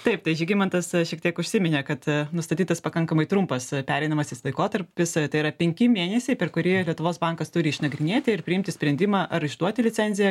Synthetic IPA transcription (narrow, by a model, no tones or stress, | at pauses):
t̪ɐɪp̚t̪ɐɪʒʲɪɡʲɪmɐnt̪ɐsʃʲiɛk̚t̪ʲiɛkʊʃʲsʲɪmʲɪnʲɛkɐt̪nʊst̪ɐt̪ʲiːt̪ɐspɐkɐŋkɐmɐɪt̪ɾʊmpɐspʲæːɾʲɛɪnɐmɐsʲɪslˠɐɪkoːt̪ɐɾʲpʲɪst̪ɐɪɪɾɐpʲɛŋʲkʲɪmʲeːnʲɛsʲɛɪpʲɛrkʊɾʲiːlʲiɛt̪ʊʋoːsbɐŋkɐst̪ʊɾʲɪɪʃnɐɡɾʲɪnʲeːt̪ʲɪɪrpʲɾʲɪɪmʲt̪ʲɪsʲpʲɾʲɛnʲd̪ʲɪmɑʔɐɾɪʒd̪uɔt̪ʲɪlʲɪt͡sʲsʲɛnʲzʲɪjɛ